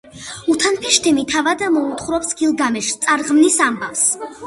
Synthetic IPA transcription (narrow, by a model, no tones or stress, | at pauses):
ut̪ʰanpʰɛʃt̪ʰɛmit̪ʰavad̪amɔut̪χɾɔpsɡilˠɡamɛʃt̪sʼaɾʁmnisambavs